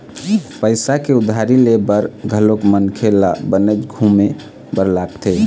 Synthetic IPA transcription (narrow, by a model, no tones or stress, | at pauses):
pəɪsakeʊd̪ʱːaɾilebəɾɡʱəlokmənkʰela̰bənət͡ʃɡʱume | bəɾlakt̪ʰe